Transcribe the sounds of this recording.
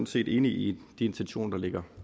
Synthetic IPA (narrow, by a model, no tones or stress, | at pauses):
n̩se̝̰ːd̥e̝ːniid̥ie̝nt͡sʰenɕo̝̰ːnɐd̥ɑle̝ɡ̥ɐ